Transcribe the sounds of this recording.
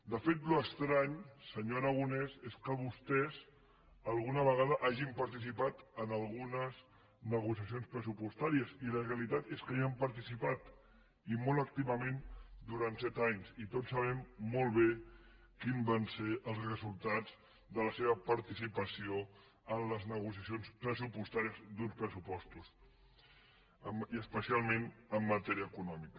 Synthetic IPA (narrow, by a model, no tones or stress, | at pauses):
d̪əfet̪luəkst̪ɾaɲsəɲoɾaɣunɛzeskəβ̞ust̪ɛz | əlˠɣunəβ̞əɣaðəʔaʒimpəɾt̪is̬ipat̪ənəlˠɣunəz | nəɣ̞usiəsionspɾəsupust̪aɾiəziləreəlit̪at̪eskaampəɾt̪isipat̪ | imolək̚t̪iβəmẽnd̪uɾant̪sɛt̪aɲzit̪otsːəβ̞ɛmːolˠβe | kimbanseʔəlˠzrəzulˠt̪ad͡z | d̪ələseβəpəɾt̪isipəsio | ənləznəɣusiəsionspɾəsupust̪aɾiəzd̪unspɾəsupɔst̪us | iəspəsialˠmenəmːət̪ɛɾiəkunɔmikə̥